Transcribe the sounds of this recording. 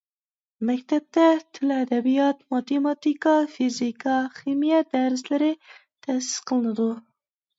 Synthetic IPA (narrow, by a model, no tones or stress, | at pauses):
mɛkʲt̪ʰɛp̚t̪ɛt̪ʰɪlɛd̪ɛbijɑt̪mɑt̪emɑt̪ikɑfizikʰɑχimijɛd̪æɾɪslɪɾɪt̪ʰɛsɪ̥sqʰəlˠɨnɨd̪u